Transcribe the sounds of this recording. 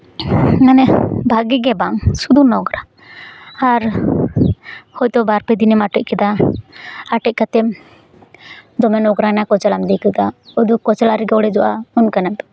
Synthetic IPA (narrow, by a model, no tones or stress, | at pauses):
ŋanɛbʱaɡɛɡɛbaŋsud̪unɔɡɾa | aɾ | hɔjt̪ɔbaɾpɛd̪inɛmaʈɔʔ̚kɛd̪a | aʈɛc̚kat̪ɛm | d̪ɔmɛnɔɡɾanakɔt͡ʃɛlamd̪ikɛd̪aɔd̪ukɔt͡ʃɛlaɾɛɡɛɔɽɛd͡ʒɔʔaunkanap̪